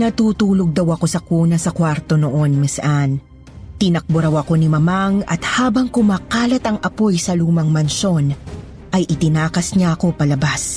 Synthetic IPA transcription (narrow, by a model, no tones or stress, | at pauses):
nɐt̪uːt̪uːlo̞ɡ̚d̪ɐwɐko̞sɐkuːnɐsɐkwaɾt̪o̞noʔo̞nmɪsʔan | t̪ɪnɐk̚bʊɾawɐko̞nimɐmaŋɐ̰t̪haːbɐŋkʊmaːkaːlɐt̪ɐŋʔɐpo̞jsɐluːmɐŋmɐnʃo̞n | ʔɐjʔɪt̪ɪnaːkɐsɲaɐko̞pɐlɐbas